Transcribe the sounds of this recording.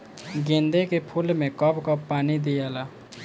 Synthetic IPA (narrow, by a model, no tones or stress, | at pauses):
ɡẽːnd̪ekepʰʊlmẽkɔpkɔpːaːnid̪ijaːlaː